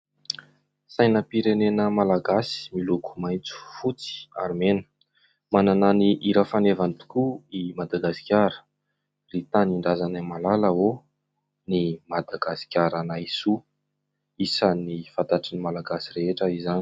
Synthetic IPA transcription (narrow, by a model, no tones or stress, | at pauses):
sajnəpiɾenenəmalaɡasi̥milukʰu̥majnt͡su̥fut͡si̥a̰ɾmenə̥ | manananiʔiɾəfanevant̪u̥kuimad̪aɡasi̥kʲaɾə̥ | rit̪aniɳɖ͡ʐazanamalaləo | nimad̪aɡasi̥kʲaɾanaisu | isanifant̪aʈ͡ʂinimalaɡasireɦeʈ͡ʂəizani̥